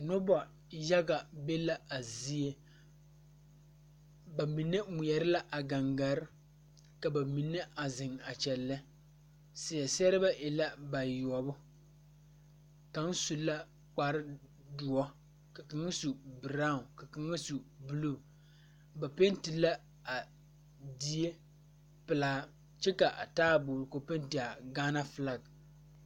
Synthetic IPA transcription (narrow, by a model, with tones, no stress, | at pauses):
no˦ba˨ | ja˦ɡa˨be˦la˨a˨zi˦e˦ | ba˨mi˨nːɨ˦mu˨jɛ˨ɾɨ˦la˦ʔa˨ɡa˨ŋɡa˨ɾɪ˦ | ka˨ba˨mi˨nːɛ˦a˨zɪ˨ŋa˨t͡ʃɛ˨lːɨ˦ | sɪ˨jɛ˨sɛ˦ɾɨ˦ba˦ʔɪ˨la˦ba˨jɔ˨bʊ˦ | ka˨˦ŋ˦su˨lːa˦ | k͡pa˨ɾɪ˦ | dʊ˨ɔ˦ | ka˨kɪ˨˦ŋa˦su˨bɨ˨ɾa˦˨ka˨kɨ˨ŋa˦su˨bɨ˨lu˦˨ | ba˨pe˦n˦ti˨la˦ | a˨ | di˦je˦ | pɨ˨laː˨˦ | t͡ʃɛ˦ka˨ʔa̰˨taː˦bʊː˨ɾɨ˨ko˨pe˦n˦ti˨a˨ɡaː˦na˦fɨ˨la˨ɡ